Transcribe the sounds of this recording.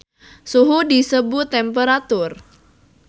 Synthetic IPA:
suɦudisəbʊt̪ːɛmpeɾat̪ʊr

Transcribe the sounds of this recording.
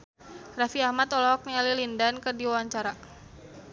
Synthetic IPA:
rafiahmat̪ɔlɔɦɔk̚nialilindankərdiwawaɲt͡ʃaɾa

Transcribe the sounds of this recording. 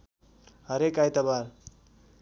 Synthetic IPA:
ɦʌɾekajt̪ʌbaɾ

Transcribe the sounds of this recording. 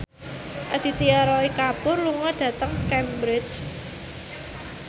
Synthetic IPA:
ʔad̪̥i̤t̪iaɾɔikapʊrluŋɔɖ̥ä̤t̪əŋkɛmbɾɪt͡ʃ

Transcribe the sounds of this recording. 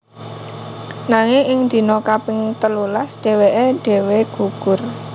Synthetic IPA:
naŋɪŋɪŋnd̪̥i̤nɔkapɪŋt̪əlulasd̥e̤weʔeɖ̥e̤weɡ̥ṳɡ̥ʊ̤r

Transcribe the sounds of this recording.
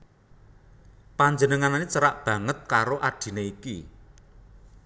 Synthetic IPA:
paɲd͡ʒənəŋananit͡ʃəɾaʔb̥ä̤ŋət̪̚kaɾoʔaɖ̥i̤neikḭ

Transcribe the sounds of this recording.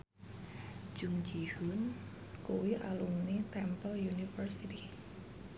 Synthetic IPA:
d͡ʒ̥uŋd͡ʒihʊn | kuwiʔa̰lumnit̪ɛmpɔljunifərsit̪i

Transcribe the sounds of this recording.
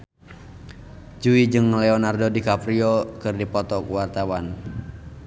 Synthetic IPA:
d͡ʒuid͡ʒɨŋlɛɔnardɔdikapɾiɔkɨrdipɔt̪ɔkuwart̪awan

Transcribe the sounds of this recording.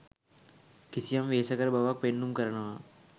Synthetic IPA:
kɪsijamʋeːsɐkɐɾbʱɐʋak̚penːumkɐɾɐɳɐʋaː

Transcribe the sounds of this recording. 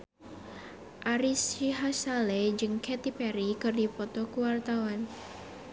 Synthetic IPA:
ʔaɾisiɦasaled͡ʒɨŋkɛt̪ipɛɾikɨrdipɔt̪ɔkuwart̪awan

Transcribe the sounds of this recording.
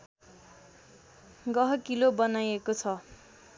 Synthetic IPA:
ɡʌɦʌkilobʌnajekot͡sʰʌ

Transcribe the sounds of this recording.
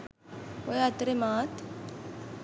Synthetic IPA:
ojat̪ɾemaːt̪

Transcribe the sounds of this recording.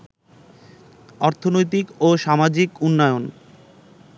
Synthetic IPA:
ɔɾt̪ʰonojt̪ikoʃamad͡ʑikunːɔeon

